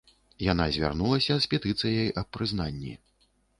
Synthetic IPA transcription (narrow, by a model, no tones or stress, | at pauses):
jan̪azʲvʲa̰rnulˠɐsʲɐspʲɛt̪ɨt̪sɨjɐjʔɐpːɾɨznanʲːḭ